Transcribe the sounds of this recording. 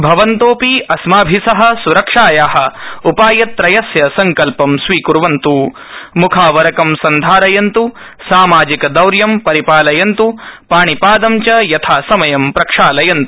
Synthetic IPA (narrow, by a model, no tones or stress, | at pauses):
bʱɐʋɐnt̪oːpiɐsmaːbʱisɐɦɐ̆suɾɐkʂaːjaːɦɐ̆upaːjɐt̪ɾɐjɐsjɐsɐŋkɐlpɐmsʋiːkuɾʋɐnt̪u | mukʰaːʋɐɾɐkɐmsɐnd̪ʱaːɾɐjɐnt̪u | saːmaːd͡ʒikɐd̪ɐwɾjɐmpɐɾipaːlɐjɐnt̪upaːɳipaːd̪ɐmt͡ʃɐjɐt̪ʰaːsɐmɐjɐmpɾɐkʂaːlɐjɐnt̪u̥